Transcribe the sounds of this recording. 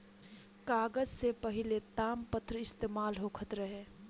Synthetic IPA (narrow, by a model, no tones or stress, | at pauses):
kaːɡəd͡ʒsepəɦɪlet̪aːmpət̪ɾəɪst̪eːmaːlɦokʰət̪ɾəɦe